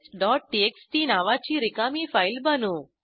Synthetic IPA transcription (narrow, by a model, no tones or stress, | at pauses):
ɖɔːʈ̚ʈieksʈiːnaːʋaːt͡ʃiɾikaːmiːfʰɐjlbɐnu